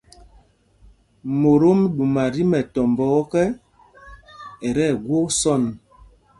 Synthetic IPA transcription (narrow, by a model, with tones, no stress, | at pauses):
mo˨ɾo˦mɗu˨ma˨ɾi˦mɛ˨tɔ˨mbɔ˨˦kɛ˦ | e˨ɾɛ˦˨ɡwo˦sɔ˦˨n